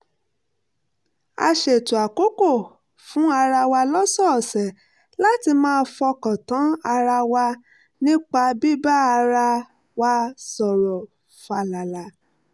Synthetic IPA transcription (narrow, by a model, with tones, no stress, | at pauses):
a̰˧ʃe˨tu˨a˨ko˦ko˦˨ | fũ˨˦a˧ɾa˧wa˧lɔ˦sɔ˦˨sɛ˨ | la˦ti˧mãː˦˧fɔ˧kɔ̃˨tɔ̃˨˦a˧ɾa˧wa˧ | nĩ˦k͡pa˧bi˦ba˦a˧ɾa˧ | wa˧sɔ˨ɾɔ˨ | fa˧˨la˨la˨˦